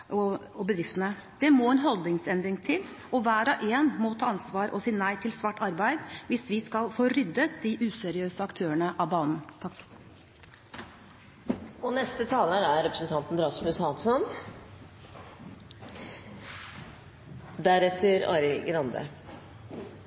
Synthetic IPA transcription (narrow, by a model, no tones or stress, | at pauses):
ɔɔbəd̪ɾɪft̪ənəd̪̥ɛmoːɛnɦɔld̪ɪŋsɛnd̪ɾɪŋt̪ʰɪl | ɔʋæːɾɑʔeːnmɔt̪ʰɑːɑnsʋɑːɾʔɔsiːnæɪt̪ʰɪlsʋɑʈːɑɾbæɪd̪ʋɪsʋɪskɑlfoːɾʏd̪ːət̪̚d̪iʔʉːsɛɾɪøːsəɑkt̪ʰøːəɳəʔɑʋbɑːnn̩t̪ʰɑkː | ɔnɛst̪ət̪ʰɑːləɾæɾɾɛpɾəsnt̪ʰɑnt̪n̩ɾɑsmʉshɑnsɔn | d̪æɾɛt̪ʰːəɾɑ̰ːɾɪɡɾɑnd̪ə̰